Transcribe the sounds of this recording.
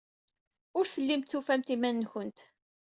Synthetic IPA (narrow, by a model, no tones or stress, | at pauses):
ʊɾθəlːimt̪θufæmt̪imænːçənt̪